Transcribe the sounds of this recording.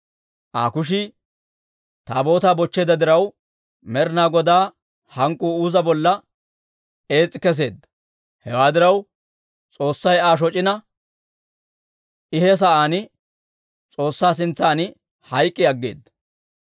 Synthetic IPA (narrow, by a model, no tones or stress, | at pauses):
ʔa̰ːkʊʃ̬ɪ | t̪aːbo̞ːt̪aːbɔt͡ʃːeːd̪ɐd̪ɪɾɐw | mɛɾnaːɡɔd̪aː | hɐŋkʼːuːuːzɐbɔlːɐ | e̞ːt͡sʼːɪkɛs̬e̞̰ːd̪ːɐ | hɛwaːd̪ɪɾɐw | t͡sʼo̞ːsːɐjaːʃ̬ɔt͡ʃʼɪnɐ | ɪhɛs̬ɐʔaːnɪ | t͡sʼo̞ːsːaːs̬ɪnt͡sːaːnɪ | hɐjkʼːɪɐɡːe̞̰ːd̪ːɐ̥